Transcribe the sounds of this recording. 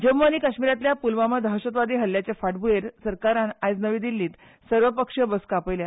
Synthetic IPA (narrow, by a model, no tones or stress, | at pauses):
d͡ʑəmʋəniːkəɕmiɾat̪ljapulʋaməd̪ʱaɕət̪ʋad̪iːɦəlːjat͡sefaʈbujeɾsəɾkaɾanajd͡znəʋiːd̪ilːiːt̪ | səɾʋəpəkʂəbəskapəjlja